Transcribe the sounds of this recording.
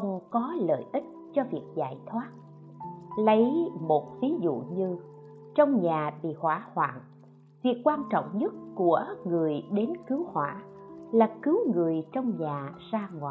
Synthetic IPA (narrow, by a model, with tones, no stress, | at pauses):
ə˧wŋ͡mkɔ˨˦lə̰ː˧˨jʔï˦˥k̟̚t͡ɕɔ˧vi˨˩ək̚za̰ː˧˩jt̪ʰwaː˦˥t̚ | lə˨˦jmo˨˩t̚vi˨˦zṵ˧˨ɲɨ˧ | t͡ɕɔ˧wŋ͡mɲaː˨˩ɓḭ˧˨hwaː˧˩hwa̰ː˧˨n | vi˨˩əkːwaː˧nt͡ɕɔ̰˧˨wŋ͡mɲə˦˥t̚ku˧˩əŋɨ˨˩əjɗe˨˦nkɨ˨˦whwaː˧˩laː˨˩kɨ˨˦wŋɨ˨˩əjt͡ɕɔ˧wŋ͡mɲaː˨˩zaː˧ŋwa̰ː˨˩j